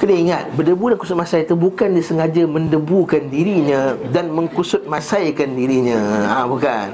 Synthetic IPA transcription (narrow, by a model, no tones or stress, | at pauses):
kədəiŋat̪̚bədəbudankusʊt̪̚masajt̪əbukandisəŋad͡ʒamə̃ndəbukandiɾiɲə̃danmə̃ŋkusʊt̪̚mãsajkandiɾiɲə̃ãbukan